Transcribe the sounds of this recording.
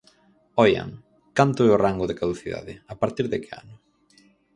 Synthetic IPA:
ɔja̰ŋ | kant̪ʊɛʊraŋɡʊðɪkaðuθiða̰ðɪapaɾt̪iɾðekea̰nʊ

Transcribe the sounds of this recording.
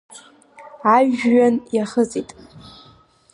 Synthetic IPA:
aɥɥanjaχət͡sʼitʼ

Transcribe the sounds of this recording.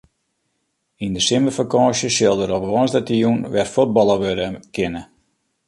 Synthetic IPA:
indəsɪməfakɔːsjəsɪlˠdəɾopəʋɔnsdətijunʋɛrfud̚bɔlˠəʋødəkʰɪnə

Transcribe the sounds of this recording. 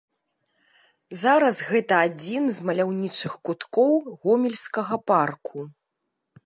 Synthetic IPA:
zaɾɐsɣɛt̪ɐad͡zʲinzmɐlʲawnʲit͡ʂɨxkut̪kɔwɣɔmʲilʲskɐɣɐparkʰu

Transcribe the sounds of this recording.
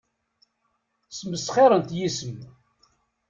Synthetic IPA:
səməsχeɾˤənt̪jisəm

